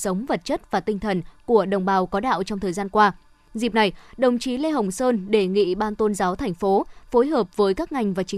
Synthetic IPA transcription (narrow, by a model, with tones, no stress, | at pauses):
sə˨˦wŋ͡mvə˨˩t̚t͡ɕə˦˥t̚vaː˨˩t̪ï˧ŋ̟t̪ʰə˨˩nku˧˩əɗə˨˩wŋ͡mɓaː˨˩wkɔ˨˦ɗa̰ː˧˨wt͡ɕɔ˧wŋ͡mt̪ʰəː˨˩jzaː˧nkwaː˧ | zi˨˩p̚na˨˩jɗə˨˩wŋ͡mt͡ɕi˨˦le˧ɦə˨˩wŋ͡msəː˧nɗe˧˩ŋḭ˧˨ɓaː˧nt̪o˧nzaː˨˦wt̪ʰɛ˨˩jŋ̟fo˨˦fo˨˦jɦəː˨˩p̚vəː˨˦jkaː˦˥k̚ŋa˨˩jŋ̟vaː˨˩t͡ɕï˨˦